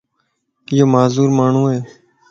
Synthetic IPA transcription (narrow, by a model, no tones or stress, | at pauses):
ɪjoːmaːzuːɾmaːɳ̤ũːɦeː